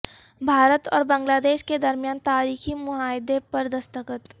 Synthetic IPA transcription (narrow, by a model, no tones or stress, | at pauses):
bʱaːɾət̪ɔːɾbɐ̃ŋɡlaːd̪eːʃked̪ɐɾmjaːnt̪aːɾiːximʊɦaːɪd̪epɐɾd̪ɐst̪əkət̪